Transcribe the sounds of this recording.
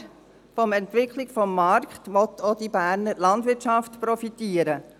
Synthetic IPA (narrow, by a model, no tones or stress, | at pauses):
fɔmɛntʋɪkʰlɪɡfɔmːɑrkχtʋɔt̪ʰːod̥ibæːɾnəɾlɑnd̪ʋɪɾtʃɑftpɾɔfitiːəɾə